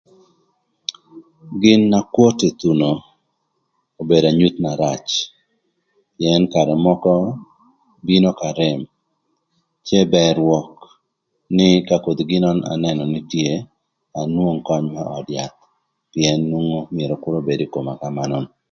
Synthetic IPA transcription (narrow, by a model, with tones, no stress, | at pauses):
ɡɪ˦nːa˦kwo˦te˨t̪u˨no˨ | o˨be˨da˨ɲu˦t̪na˨ɾa˨t͡ʃ | pjɛ˦nka˨ɾɛ˨mɔ˦kɔ˦ | bi˦no˦ka˨ɾɪm | t͡ʃe˦bɛ˦ɾwɔk | nɪ˦ka˦ko˨d̪ɡɪ˦nɔ˦na̰˨nɛnɔ˨nɪtje˦ | a˨nwo˦ŋkɔ˦ɲmaʔɔ˨dja˨t̪̚ | pjɛ˨nːu˦ŋŋo˦mɪe˨ɾɔ˨kʊ˦ɾo˦be˨di˦ko˨ma˨ka˦manɔn